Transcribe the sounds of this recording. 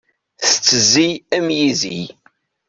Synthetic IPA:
θə̥t͡sːəzːijæmjizḭj

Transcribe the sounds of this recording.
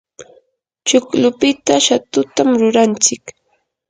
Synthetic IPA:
t͡ʃʊklʊpɪt̪aʃat̪ʊt̪amɾʊɾant͡sɪk

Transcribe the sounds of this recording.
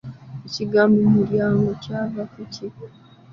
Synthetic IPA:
eciɡamumuljaːŋɡocaːvafuci

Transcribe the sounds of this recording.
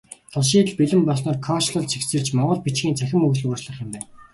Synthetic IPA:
t̪ʰɔɮʃ̬iːt̪ɮpiɮɘ̆mpɔsnɔːrkʰɔʃɮɞ̆ɮt͡ɕʰiksɘ̆rt͡ɕmɔʁɞ̆ɮpit͡ɕɡʲiːnt͡sʰæxʲɪ̆mɵɣt͡ɕɮʊːt͡ɕɮə̆χjɪ̆mpæːn

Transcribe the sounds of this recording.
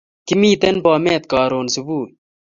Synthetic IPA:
kimiːt̪enpaːmeːt̪kɑːɾoːnsubuː

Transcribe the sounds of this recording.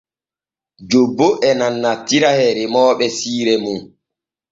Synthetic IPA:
d͡ʒobːoʔɛnanːatːiɾahɛɾɛmɔːɓɛsiːɾɛmun

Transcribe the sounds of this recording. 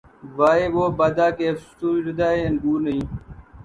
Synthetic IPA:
ʋaːeːʋoːbaːd̪aːkeːfst̪uːɾəd̪aːenɡuːɾnəĩː

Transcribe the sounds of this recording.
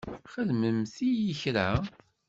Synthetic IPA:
χəðməmθijəçɾæ

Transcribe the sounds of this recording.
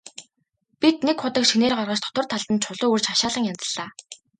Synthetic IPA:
pit̪̚nekχʊt̪ə̆kʃineːrɢarʁə̆t͡ɕt̪ʰɔ̥t̪ə̆r̥t̪ʰaɮt̪ə̆nt͡ɕʰʊɮʊːurt͡ɕaʃaːɮə̆ŋjant͡sə̥̆ɮaː

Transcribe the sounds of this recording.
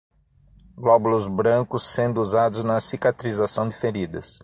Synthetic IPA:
ɡlɔbʊlʊzbɾɐ̃kʊsːẽnd̪ʊuzad̪ʊznɐsikat̪ɾizasɐ̃w̃d͡ʒ̪ɪfeɾid̪ɐ̰s

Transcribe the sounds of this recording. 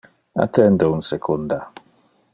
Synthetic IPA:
a̰tʰɛndon̩sekʰunda

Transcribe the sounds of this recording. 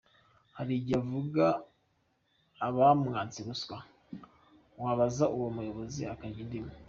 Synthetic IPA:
haɾiɟavuɡa | βamŋaːnt͡siɾuswa | waβazaʔuwomujo̞βo̞ziakaɟindimu

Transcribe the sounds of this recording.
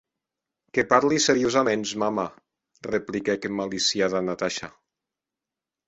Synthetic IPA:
kepaɾliseɾiozamenzmama | replikɛkemːalisiaðanat̪aʃa

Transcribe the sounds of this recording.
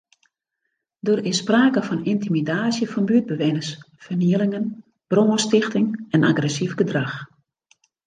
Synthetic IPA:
doːrɪspraːkəfɔnintimidaːsjəfɔnbyəd̚bəʋɪnəs | fərniəlɪŋən | b̥roːəstɪxtɪŋɛnʔa̰ɡrɛsivɡədrax

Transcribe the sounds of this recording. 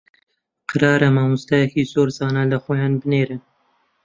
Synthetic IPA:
qʰɨɾɑːɾɐmaːmust̪ɐjɛkiːzoːɾzɑːnalɐxoːjɑːnbɨneːɾɨn

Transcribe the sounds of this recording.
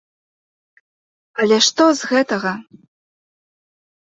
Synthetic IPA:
alʲɛʂt̪ɔzɣɛt̪ɐɣɐ

